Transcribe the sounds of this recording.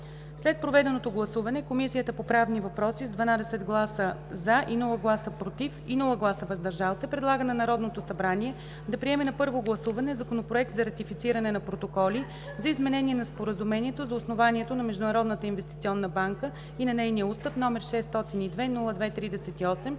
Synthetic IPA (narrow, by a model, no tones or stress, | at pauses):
slɛt̪̚pɾovɛd̪ɛnot̪oɡlˠɐsuvɐnɛkomisijət̪əpopɾavnivɐpɾɔsizd̪vɐnad̪ɛsɛd̪ɡlˠasəzaʔinulˠəɡlˠasəpɾot̪ifinulˠəɡlˠasəvɐzd̪ɐɾʒalˠsɛpɾɛd̪lˠaɡənɐnɐɾɔd̪not̪osɐbɾaniɛ | d̪ɐpɾiɛmɛnɐpɤɾvoɡlˠɐsuvɐnɛzɐkonopɾoɛk̚t̪zɐɾɐt̪ifit̪siɾɐnɛnɐpɾot̪okɔli | zɐizmɛnɛniɛnɐspoɾəzumɛniɛt̪ozɐosnovaniɛt̪onɐmɛʒd̪ʊnɐɾɔd̪nət̪əinvɛst̪it̪siɔnːəbaŋkə | inɐnɛjnijəust̪əfnɔmɛɾʃɛst̪ɔt̪inid̪vɛnulˠəd̪vɛt̪ɾid̪ɛsɛt̪iɔsɛm